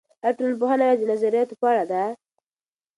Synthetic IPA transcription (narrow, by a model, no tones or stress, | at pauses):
aʈɾolpʊhanaad̪ɪnazaɾijɑt̪opaɽad̪a